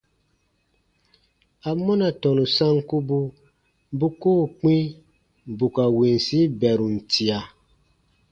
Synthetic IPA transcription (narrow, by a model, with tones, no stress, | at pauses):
a˨mɔ˦na˨tɔ˨nu˨sã˦ŋku˦bu˦ | bu˦koː˦˨k͡pĩ˦ | bu˨ka˨wi˨n˨si˦bɛ˨ɾu˨n̩˨tʰi˨a˨